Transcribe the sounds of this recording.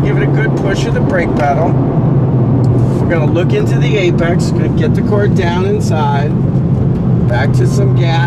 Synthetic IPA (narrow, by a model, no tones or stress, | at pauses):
ɡ̥ɪvɨ̃nɨɡʊd̚pʰʊʃɨðɨbɹeɪk̚b̥æɾl̩ˠ | wə˞ɡʌnəlʊkɪ̃ntʉðieɪbæksɡ̥ʌnɨɡɛt̪̚ðɨkʰɔɹt̚d̥ãʊ̃nɨ̃nsaɪd̚ | b̥æk̚tʰɨsʌ̃mɡæ